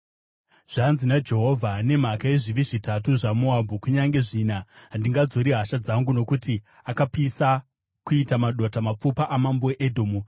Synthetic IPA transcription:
ʐ̥anzinad͡ʒe̞ɦo̞vʱane̞m̤akae̞ʐiʋiʐitatuʐamoabʱukuɲaŋɡe̞ʐinaɦandiŋɡad͡zoɾiɦaʃad͡zaŋɡuno̞kuti | akapisa | kuitamaɗotamap͡fupaʔamamboweʔedʱo̞ːmu

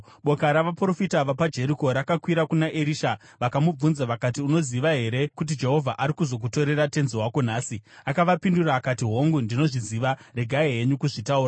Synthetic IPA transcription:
ɓo̞kaɾaʋapro̞fitaʋapad͡ʒe̞ɾiko̞ɾakakwiɾakunaʔeɾiʃa | ʋakamub͡vunzaʋakatiuno̞ziʋaɦe̞ɾe̞kut̬id͡ʒe̞ɦo̞vʱaʔaɾikuzo̞k̬uto̞ɾe̞rate̞nziwako̞n̤aːsiakaʋapinduraːkatiɦo̞ŋɡundino̞ʐiziʋare̞ɡʱaeɦe̞ɲukuʐitauːraa

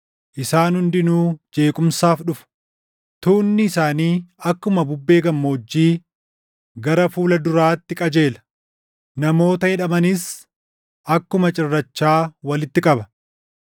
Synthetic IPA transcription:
ʔɪsaːnhʊnd̪ɪnuːd͡ʒe̞ːkʼʊmsaːfɗʊfɐ̥ | t̪uːnːɪːsaːniːɐkːʊmɐbʊbːe̞ːɡɐmːoːd͡ʒːiː | ɡɐɾɐfuːlɐd̪ʊɾaːt̪ːɪkʼɐd͡ʒe̞ːlɐ̥ | nɐmo̞ːt̪ɐhɛᶑɐmɐnɪs | ʔɐkːʊmɐt͡ʃʼɪrːɐt͡ʃːaːwɐlɪt̪ːɪkʼɐbɐ

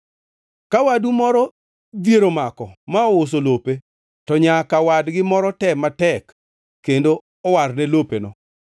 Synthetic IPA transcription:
kawadumɔɾɔ | d̪jeɾomakɔmaɔos̬olope | tɔɲakawadɡɪmɔɾɔtɛmatɛk | kːendo | ɔwarnɛlopenɔ̰

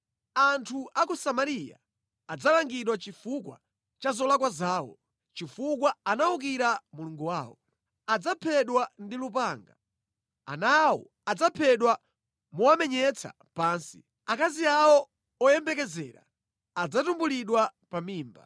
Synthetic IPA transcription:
antʰuʔakɔsamaɾija̰ː | d͡zalaŋɡiɗwat͡ʃifukwa̰ | t͡ʃazɔlakwazaːwɔ̰ | t͡ʃifuk̬waanauk̬iɾamuluŋɡuwaːwɔ | ad͡zapʰɛɗwandilup̬aːŋɡa | a̰nawɔ̰ | ad͡zapʰɛɗwa | muamɛɲɛt͡sʰa̰ | paːnsi̥̰ | akaziawɔ | ɔjɛmbɛkɛzɛ̰ːɾa̰ | ad͡zatumbuliɗwapamiːmba̰

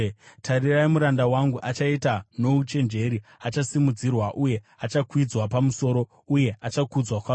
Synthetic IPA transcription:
tʰariraimuɾandawaŋɡuʔat͡ʃaitano̞ut͡ʃe̞nd͡ʒe̞ɾiat͡ʃasimud͡zirwaʔuje̞ | at͡ʃakwid͡zwapamuso̞ːɾo̞ | uje̞at͡ʃakud͡zwakwa

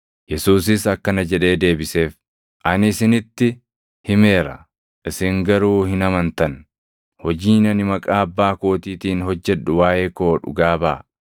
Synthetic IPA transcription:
jɛsuːs̬ɪsɐkːɐnɐd͡ʒɛᶑe̞ːd̪e̞ːbɪse̞ːf | ʔɐnɪsɪnɪt̪ːɪ | hɪme̞ːɾɐ̰ | ʔɪsɪŋɡɐɾuːhɪnɐmɐnt̪ɐn | hɔd͡ʒiːnɐnɪmɐkʼaːɐbːaːko̞ːt̪iːt̪iːnhɔd͡ʒːɛᶑʊwaːʔe̞ːko̞ːᶑʊ̰ɡaːba̰ː

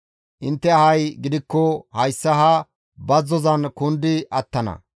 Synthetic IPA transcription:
ʔɪnt̪ːɛɐhɐjɡɪd̪ɪkːɔhɐjsːɐɦɐ | bɐzːɔzɐnkʊnd̪ɪʔɐt̪ːɐnɐ̰

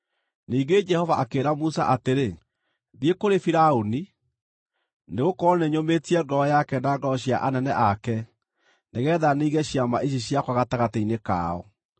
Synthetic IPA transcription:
niːɡed͡ʒɛhɔvaʔakeːɾamusa̰ʔateɾe | ðiekoɾefiɾaoni | neɣokɔɔneɲometiɛŋɡɔɔjakɛnaŋɡɔɔɕja̰ʔanɛnɛʔakɛ | neɣɛːðaniːɣɛɕjamaʔiɕ̬iɕjakwaɣataɣateineka̰ɔ̰

